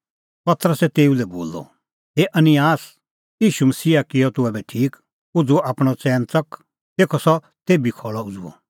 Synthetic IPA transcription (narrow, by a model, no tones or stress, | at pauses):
pɐt̪ɾəsɛt̪eːulɛboːlːɔ̰ | ɦeːʔɐnɪjaːs | jiːʃumɐsiːakɪjɔt̪ʊɛbɛʈʰiːk | ʊd͡zuaːpɽ̃ɔt͡sɛ̃ːnt͡sɐk | t̪eːkʰɔsɔ | t̪eːbikʰɔːɭɔʊd͡zṵɔ̰